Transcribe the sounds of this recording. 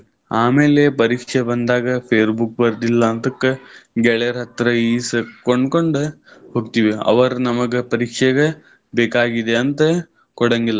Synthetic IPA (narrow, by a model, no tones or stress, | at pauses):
aːmeːlepɐɾiːkʂebɐnd̪aːɡɐpʰeːɾbuk̚bɐɾd̪ilːɐːnt̪ɐkːɐɡɛɭeɐɾɦɐt̪ɾɐiːskoɳɖkoɳɖuhoːɡ̚t̪iʋeɐ̰ʋɐɾnɐmɐɡepɐɾiːkʂɐɡe | beːkaːɡid̪eɐnt̪ɐ | kɔɽɐŋɡilːɐ